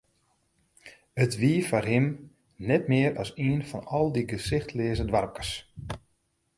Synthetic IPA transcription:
ətʋiəfarɦɪm | nɛtmɪəɾɔsiənfɔnɔlˠdiɡəsɪxtʰlɪːəzədʋarkə̥rs

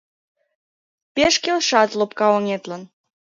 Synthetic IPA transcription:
peʃkelʃɑt̪lopkɑoŋet̪lən

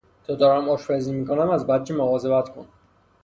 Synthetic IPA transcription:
t̪ʰɒd̪ɒːɾæmɒːʃfɛziːmiːkʰonæmæzbæd̪̚d͡ʒʰiːmoɣɒːzebæt̪kʰon

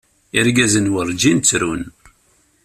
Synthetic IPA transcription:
ɪɾɡæzənwəɾˤd͡ʒint͡sːɾun

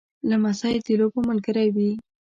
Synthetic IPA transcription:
lamasɑjt̪ilopəmʊlɡəɾajwi

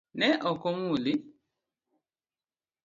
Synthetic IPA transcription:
nɛʔɔkomuli

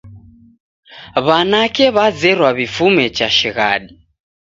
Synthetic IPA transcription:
βanakɛβad͡zɛɾwaβifumɛt͡ʃaʃiɣa̰ːɗi

